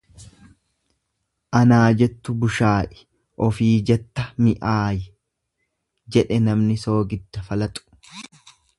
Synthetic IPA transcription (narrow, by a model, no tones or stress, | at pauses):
ʔɐnaːd͡ʒɛt̪ːʊbʊʃaːʔɛ̥ | ʔɔfiːd͡ʒɛt̪ːɐmɪʔaːjɛ | d͡ʒɛᶑɛnɐmnɪso̞ːɡɪd̪ːɐfɐlɐt̪ʼʊ̥